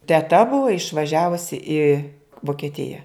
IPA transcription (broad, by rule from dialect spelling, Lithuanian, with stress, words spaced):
tʲɛˈtɐ ˈbʊʋoː ɪʃʋɐˈʒʲæːʋʊsʲɪ ɪ ʋoːkʲɛˈtʲɪjɛ